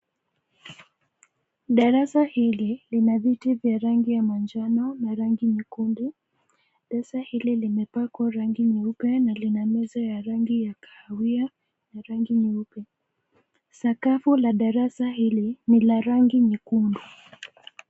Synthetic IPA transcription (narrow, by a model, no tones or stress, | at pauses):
ɗaɾasahililinavitivjaɾaŋɡijamand͡ʒanɔnaɾaŋɡiɲikundu | ɗaɾasahililimɛpakwaɾaŋɡiniupɛnalinamɛzajaɾaŋɡijakḁːwia | naɾaŋɡiniupɛ | sakafulaɗaɾasahilinilaɾaŋɡiɲikundu